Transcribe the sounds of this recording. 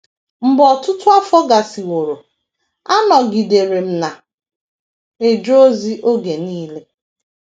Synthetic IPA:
m̩˨bɔ˨tʊ˦tʊ˦a˦fɔ˦ɡa˨si˨wo˨ɾo˨ | a˦nɔ˨ɡi˨de˨ɾe˨m̩˨na˨ | e˨d͡ʒo˦o˦zi˦ʔo˦ɡe˨niː˦le˦

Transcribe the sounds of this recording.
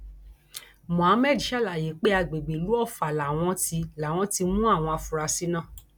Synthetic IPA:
mɔ̃˨ã˨˦mɛ˦˨di˨˦ʃa˦˨la˨je˨˦k͡pe˦a˧ɡ͡be˨ɡ͡be˨lu˨˦ɔ˦˨fa˨la˨w̃ɔ̃˧ti˧la˨w̃ɔ̃˧˦ti˧mũ˦a˦˨w̃ɔ̃˧a˧fũ˨ɾa˧si˦nã˦˨

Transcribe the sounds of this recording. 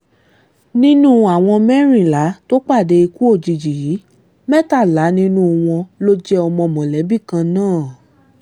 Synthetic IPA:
nĩ˦nũ˦a˨w̃ɔ̃˧mɛ˦ɾ̃ĩ˦˨la˨˦to˦k͡pa˦˨de˨˧i˧ku˦o˦˨d͡ʒi˨d͡ʒi˨jiː˨˦ | mɛ˦ta˦˨la˨˦nĩ˦nũ˦˧w̃ɔ̃˧lo˦d͡ʒɛ˦ɔ˧mɔ̃˧mɔ̃˨lɛ˨˦bi˦˨kã˧nãː˦˨

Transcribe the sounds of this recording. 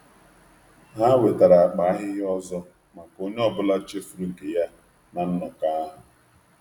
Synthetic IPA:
ɦa˦we˨ta˨ɾa˨a˨k͡pa˨a˦ɦɪ˦ɦɪ˦ɔ˦zɔ˦ | ma˨ko˦ɲe˦ɔ˨bʊ˦la˦t͡ʃe˦fu˨ɾu˦ŋ̩˨ke˨ja˦ | na˨n̩˦nɔ˨ka˦ɦʊ˨

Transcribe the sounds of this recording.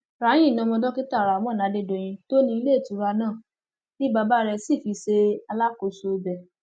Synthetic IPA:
ɾa˨˦j̃ĩ˦˨nã˧mɔ̃˧dɔ˦ki˦ta˦˨ɾa˨mɔ̃˦˨na˨˦de˧˨do˨j̃ĩ˧to˦nĩ˧i˧˦le˦˨tu˨˦ɾa˧nãː˦˨ | nĩ˦ba˧ba˦ɾɛ˧si˦˨fi˧se˧a˧la˦ko˨so˧bɛ˨

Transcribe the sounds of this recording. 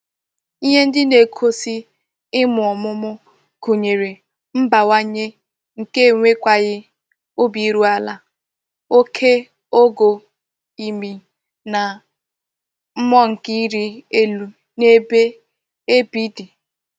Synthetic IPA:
i˦ɦe˦n̩˦dɪ˦ne˨kʰo˦si˦ | ɪ˦mʊ˨ɔ˨mʊ˦mʊ˦ | ku˨ɲe˨ɾe˨ | m̩˦ba˨wa˦ɲe˦ | ŋ̩˨ke˦˨ŋʷe˦kʷa˦ɣɪ˦ | ʊ˦bi˨i˦ɾu˦a˦la˨ | o˦kʰe˦ | o˦ɡo˨ | i˨mi˨ | na˨ | m̩˦mɔ˦ŋ̩˨ki˦ɾi˦e˦lu˨ | ne˦be˦ | e˦bi˦di˨

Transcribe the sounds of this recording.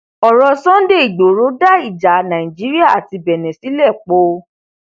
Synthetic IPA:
ɔ˨ɾɔ˧sɔ̃˦de˦˨i˨ɡ͡bo˨˦ɾo˨˦da˦˨i˨d͡ʒa˨˦nã˨ĩ˨d͡ʒi˨˦ɾi˦a˦˨a˨ti˧bɛ˨nɛ̃˨si˨˦lɛ˦˨k͡po˨˦

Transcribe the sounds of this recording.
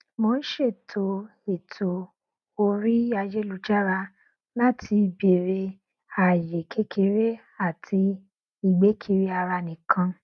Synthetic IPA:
mo˧˦n̩˦ʃe˦˨tʰo˧˦e˨tʰo˨ | o˧ɾi˦a˧d͡ʒe˦lu˨˧˦d͡ʒa˦ɾa˧ | nã˦˨tʰi˧be˨ɾe˧ | a˨je˨kʰe˦kʰe˧ɾe˦ | a˦˨tʰi˧ | i˨ɡ͡be˨˦kʰi˧ɾi˦a˧ɾa˧nĩ˨kʰã˧

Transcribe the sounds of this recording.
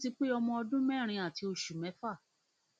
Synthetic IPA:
ti˧k͡pe˦ɔ˧mɔ̃˧ɔ˧dũ˦mɛ̃˦˨ɾ̃ĩ˧a˨ti˧o˧ʃu˨mɛ̃˨˦fa˦˨

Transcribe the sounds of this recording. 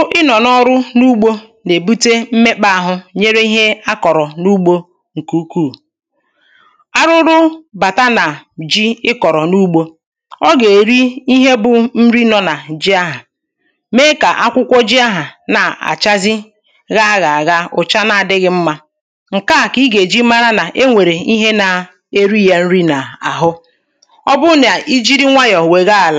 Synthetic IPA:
ʊ˦ʔɪ˦nɔ˨nɔ˦ɾʊ˦nu˦ɡ͡bo˦ | ne˨bu˦te˦m̩˦me˦k͡pa˦a˦˨ɦʊ˦ɲe˦ɾe˦i˦ɦe˦a˦kɔ˨ɾɔ˨nu˦ɡ͡bo˦ | ŋ̩˨ku˦kuː˦˨ | a˦ɾʊ˦ɾʊ˦ba˨ta˦na˨d͡ʒi˦ɪ˦kɔ˨ɾɔ˨nu˦ɡ͡bo˦ | ɔ˦ɡe˨ɾi˦i˦ɦe˦bʊ˨m̩˦ɾi˦nɔ˨na˨d͡ʒi˦a˦ɦa˨ | meː˦ka˨ʔa˦kʷʊ˦kʷɔ˦d͡ʒi˦a˦ɦa˨na˨a̰˨t͡ʃa˦zɪ˦ | ɣa˦ɣa˨a˨ɣa˦ʊ˨t͡ʃa˦na˨a˨dɪ˦ɣɪ˦m̩˦ma˦ | ŋ̩˨ka˦˨ki˦ɡe˨d͡ʒi˦ma˦ɾa˦na˨ʔe˦ŋʷe˨ɾe˨i˦ɦe˦na˨ | e˦ɾi˦ja˦n̩˦ɾi˦na˨a˨ɦʊ˦ | ɔ˦bʊ˦n˨a˨ʔi˦d͡ʒi˦ɾi˦ŋʷa˦jɔ˨we˨ɣa˦a˨la˨

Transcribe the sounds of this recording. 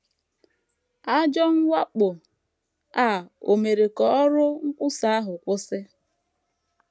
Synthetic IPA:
a˦d͡ʒɔ˦ŋ̩˦wa˦k͡pʊ˨ | a˦˨o˨me˨ɾe˨kɔ˨ɔ˦ɾʊ˦ŋ̩˦kʷʊ˦sa˦a˦ɦʊ˨kʷʊ˦sɪ˦

